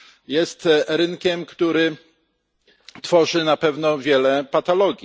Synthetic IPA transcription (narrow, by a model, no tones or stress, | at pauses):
jɛst̪ɾɘnkʲɛmkt̪uɾɘ | t̪fɔʐɘnapɛvnɔvʲjɛlɛpat̪alɔɡʲi